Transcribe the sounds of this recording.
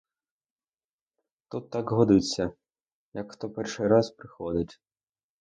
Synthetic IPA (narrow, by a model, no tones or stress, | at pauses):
t̪ut̪ːɑkɦɔd̪ɪt͡sʲːɐ | jɐkxt̪ɔpɛrʃɪjɾɑzpɾɪxɔd̪ɪtʲ